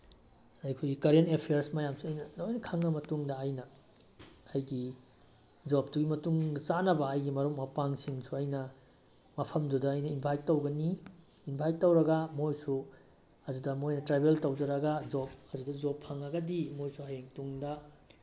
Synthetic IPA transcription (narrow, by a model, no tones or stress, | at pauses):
ɾajkʰujɡikaɾentepʰejɐɾsmɐjamsuɐjnɐnojnɐkʰaŋnɐmɐtuŋdɐːjnɐː | jɡi | d͡ʒop̚duɡimɐtuŋɡɐt͡ʃanɐbɐːjɡimɐɾuk̚mɐpaŋsiŋsuɐjnɐ | mɐpʰɐmdudɐːjnɐinbʱajk̚tːɐwɡɐniːnbʱaj̚tːɐwɾɐɡamojsu | ɐd͡ʒudɐmojnɐtɾebeltɐwd͡ʒɐɾɐɡad͡ʒop̚ɐd͡ʒudɐd͡ʒopʰːɐŋɐɡɐdimojsuɦajeŋtuŋdɐ